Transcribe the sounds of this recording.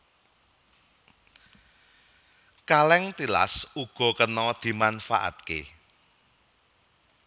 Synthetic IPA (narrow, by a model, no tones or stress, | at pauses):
kalɛŋt̪ila̰suɡ̥ɔ̤kənɔd̪̥i̤manfa̰ʔa̰t̪̚kḛ